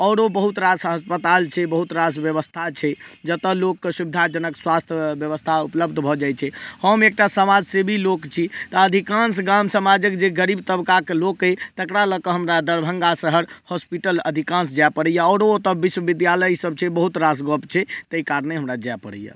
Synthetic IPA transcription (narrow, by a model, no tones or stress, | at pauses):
ɔɾobəɦut̪ɾasɦəspət̪alt͡ʃʰɛbəɦut̪ɾasbjəʋəst̪ʰat͡ʃʰɛd͡ʒət̪əlokːsubɪd̪ʱad͡ʒənəkswast̪ʰjəbjəʋəst̪ʰaupləb̚d̪ʱbʱɔd͡ʒajt͡ʃʰɛhəmek̚ʈasəmad͡ʒsebʱilokt͡ʃʰit̪ɔəd̪ʱikãnsɡamsəmad͡ʒəkd͡ʒeɡəɾibt̪əbkakelokəjt̪əkɽaləkəɦəmɾad̪əɾbʱəŋɡasəɦəɾhɔspiʈələd̪ʱikãnsd͡ʒapəɽəjaɔɾot̪əbiswəbid̪jaləjsəb̚t͡ʃʰɛbəɦut̪ɾasɡɔpt͡ʃʰɛt̪eikaɾneɦəmɾad͡ʒajpəɽə̰jə̰